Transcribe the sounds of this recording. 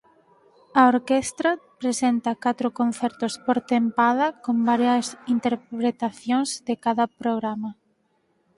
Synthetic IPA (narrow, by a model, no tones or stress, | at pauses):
ɐoɾkest̪ɾɐpɾesent̪ɐkat̪ɾʊkõn̟θɛɾt̪ʊspoɾt̪empaðɐkombaɾjɐsint̪eɾpɾet̪aθjõŋzðekaðɐpɾoɣɾamɐ